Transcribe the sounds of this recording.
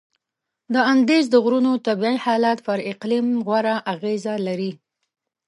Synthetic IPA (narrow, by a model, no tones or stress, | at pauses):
d̪əand̪ezd̪əɣɾunot̪abiʕihɑlat̪pəɾɪqlimɣwaɾaʔaɣezalaɾi